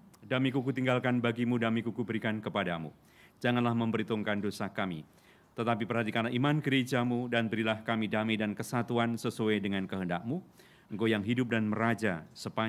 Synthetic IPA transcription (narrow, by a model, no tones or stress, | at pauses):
damikukut̪iŋɡalkanbaɡimudamikukubəɾikankəpadamṵ | d͡ʒaŋanlahməmbəɾit̪uŋkandosakamḭ | t̪ət̪ap̬ipərɦat̪ikanlaɦimankəɾed͡ʒamudanbəɾilahkamidamidankəsat̪uansəsuadəŋankəɦəndak̚mu | əŋ̩kojaŋɦidʊp̚danməɾad͡ʒasəpa